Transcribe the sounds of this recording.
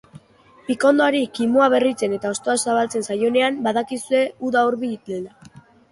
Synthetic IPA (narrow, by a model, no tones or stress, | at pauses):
piko̞nd̪oaɾikimoaβ̞e̞rit͡se̞ne̞t̪ao̞st̪o̞asaβalt͡se̞nsajo̞ne̞ambaðakisue̞uðaoɾβiit̪ela